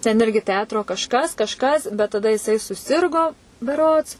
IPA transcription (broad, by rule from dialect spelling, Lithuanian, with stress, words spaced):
tʲɛn ˈɪrʲɡʲɪ ˈtʲɛɐtroː kɐʃˈkɐs kɐʃˈkɐs bʲɛt tɐˈdɐ jɪˈsɐɪ sʊˈsʲɪrɡoː bʲɛˈroːts